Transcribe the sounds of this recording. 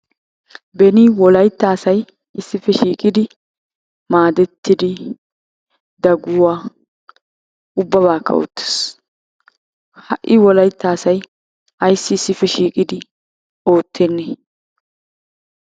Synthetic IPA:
bɛnɪwɔlɐjt̪ːaːsɐj | ɪsːɪfɛʃiːkʼɪd̪ɪ | maːd̪ɛt̪ːɪd̪ɪ | d̪ɐɡʊwaː | ʊbːɐbaːkʰːɐ̰o̰ːt̪ːe̥s | hɐʔːɪwɔlɐjt̪ːaːsɐj | ɐjsːɪːsːɪfɛʃiːkʼɪd̪ɪ | o̞ːt̪ːɛnːɛ

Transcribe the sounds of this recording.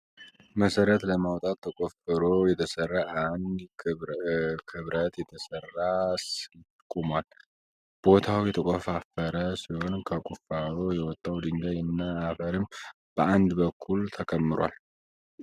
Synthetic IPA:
məsəɾət̪ləmawt̪ʼat̪ʰːəkʼofɨɾojɛt̪ʰəsərːaʔand̪ | kʰɨβɾət̪jɛt̪ʰəsərːasɪt̪ʼkʼːumwal | b̥o̞t̪ʰawɛt̪ʰəkʼofafəɾəsiho̞nkʰəkʷʼufaɾojɛwɔt̪ʼːawd̪ɨnɡ̪ajɨnːaːfəɾɨm | b̥əʔand̪bəkʰːult̪ʰəkʰəmːɨɾwa̰l

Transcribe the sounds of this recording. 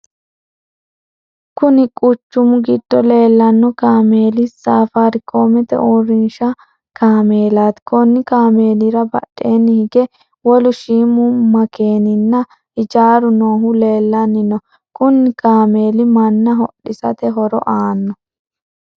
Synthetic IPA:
kʊnɪkʼʊt͡ʃːʊmʊɡɪd̪̥ːɔle̞ːlːɐnːɔkaːmeːlɪsaːfaɾɪkʰoːmɛt̪ɛ̰ʔuːɾɪnʃɐ | kʰaːmeːlaːt̪kɔnːɪkaːme̞ːlɪɾɐbɐ̰ɗːe̞ːnːɪhɪɡɛ | wɔlʊʃiːmʊmɐke̞ːnɪnːɐ | ʔɪt͡ʃaːɾʊno̞ːɦʊle̞ːlːɐnːɪnɔ | kʊnːɪkaːme̞ːlɪmɐnːɐɦɔ̰ɗːɪsɐ̰t̪ɛɦɔɾɔ̰ʔaːnːɔ

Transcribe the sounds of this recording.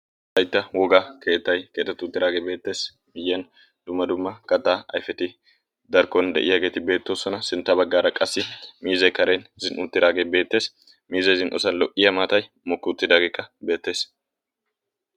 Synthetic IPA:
t̪ɐjt̪ːɐwɔɡaːke̞ːt̪ːɐjke̞ːt̪ːɛt̪ːʊt̪ːɪɾaːɡebe̞ːt̪ːe̞ːs | mɪjːen | d̪̥ʊmːɐd̪ʊmːɐkɐt̪ːaːɐ̰jfɛt̪ɪ | d̪ɐɾkːɔnd̪ɛ̰ʔɪjɐɡe̞ːt̪ɪbe̞ːt̪ːoːsɔnɐsɪnt̪ːɐbɐɡːaːɾɐkʼɐsːɪmiːzɐjkɐɾe̞ːnzɪnʔʊt̪ːɪɾaːɡebe̞ːt̪ːe̞ːs | miːzɐjzɪnʔɔsɐnlɔʔɪjɐmaːt̪ɐj | mɔkːʊt̪ːɪd̪aːɡeːkːɐbe̞ːt̪ːe̞ːs

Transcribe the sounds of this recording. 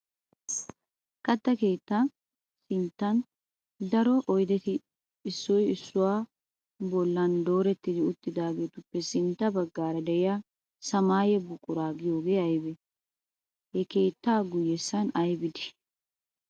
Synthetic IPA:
kɐt̪ːɐke̞ːt̪ːɐ | sɪnt̪ːɐn | d̪ɐɾɔʔɔjd̪ɛt̪ɪː | sːɔjɪsːʊwaː | bɔlːɐnd̪o̞ːɾɛt̪ːɪd̪ɪʊt̪ːɪd̪aːɡe̞ːt̪ʊpːɛsɪnt̪ːɐbɐɡːaːɾɐd̪ɛʔɪja | sɐmaːjɛbʊkʼːʊɾaːɡɪjo̞ːɡeːɐjbɛ | hɛke̞ːt̪ːaːɡʊjːɛsːɐnɐjbɪd̪ɪ̥

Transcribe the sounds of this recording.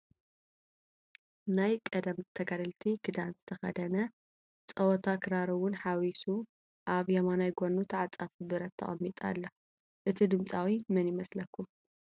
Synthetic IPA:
najkʼɐd̪ɐmt̪ʰɐɡad̪ɨlt̪ʰikʰɨd̪anzɨt̪ʰɐxɐ̰d̪ɐnɐ | t͡sʼɐwɔt̪ʰakʰɨɾaɾɐwʊnħawisu | ʔaβjɐmanajɡʷonːut̪ʰaʕat͡sʼafbɨɾɐt̪ʰːɐ̰χʼɐ̰mːit̪ʼa̰lːɐ | ʔɨt̪ʰid̪ɨmt͡sʼawimɨnjɪmɐslɐkːum

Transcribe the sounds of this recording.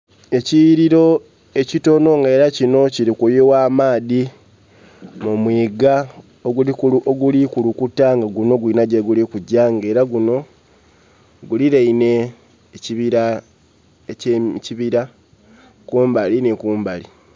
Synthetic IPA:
e̞ciɾiɾo̞ | e̞cito̞no̞ŋɡae̞ːɾacino̞ciɾikujewaːmaːði | mumwiːɡa | oɡulikuoɡulikulukutːaŋɡaɡuno̞ɡwiːnaɟeɡulikuɟːaŋɡe̞ːɾaɡuno̞ | ɡuliɾeine̞ː | ciβiɾa | eciβiɾa | kuːmbalinikuːmbali

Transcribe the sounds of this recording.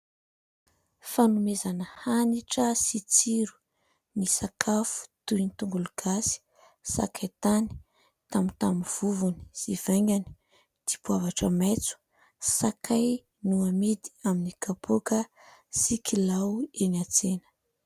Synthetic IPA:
fanumezanəhaniʈ͡ʂəsit͡siɾu̥ | nisakʰafu̥t̪uinit̪uŋɡuluɡ̥asi̥ | sa̰kʰajt̪ani̥ | t̪amint̪amiv̥uvuni̥z̥iv̥aŋɡʲani̥ | d̪̥ipuavaʈ͡ʂəmet͡su̥ | sakʰaj | nuamid̪i̥aminikapʰokəsikilaweniat͡senə̥

